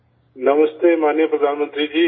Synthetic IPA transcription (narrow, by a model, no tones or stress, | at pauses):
nɐməst̪eːmaːnijəpɾəd̪aːnmə̃nt̪ɾid͡ʑiː